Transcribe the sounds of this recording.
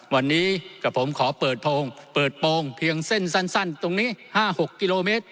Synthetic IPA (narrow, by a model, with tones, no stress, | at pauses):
wa˧nːiː˦˥kaː˧˩pʰo˩˦mkʰɔː˩˦pɤː˨˩t̪̚pʰoː˧ŋpɤː˨˩t̪̚poː˧ŋpʰi˧əŋse˥˩nsa˥˩nsa˥˩nt̪o˧ŋniː˦˥˩haː˥˩ho˨˩kːi˧loː˧meː˦˥t̪̚